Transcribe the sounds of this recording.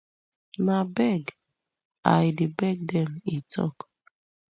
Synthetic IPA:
nabɛɡ | a̰jdibɛɡ̚dɛmit͡sɔ̰k

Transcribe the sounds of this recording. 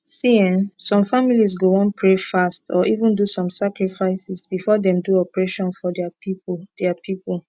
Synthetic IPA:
siĩnsɔ̃mfamilis̬ɡowɔ̃npʰɹefastʰɔʔivũndusɔ̃msakɹifaɪsisbifɔdɛ̃mduɔpɹeʃɔ̃nfɔdɛapipd̥ɛapʰipol

